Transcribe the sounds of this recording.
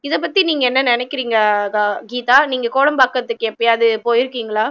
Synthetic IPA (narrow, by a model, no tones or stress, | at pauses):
ɪðɐp̬ːɐt̪ːiniːŋɡɐɛnːɐnɪnɛkːɪɾiːŋɡɐaɡiːt̪aːniːŋɡɐkoːlɐmpaːkːɐt̪ːɯkːɯɛpːɐiɐðɯpoːjɪɾɯkːiːŋɡɐɭaː